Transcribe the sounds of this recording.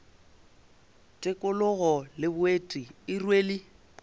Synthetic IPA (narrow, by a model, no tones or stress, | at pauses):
tʼɪkʼʊlʊɣɔlɪbʊetʼiɪrweːli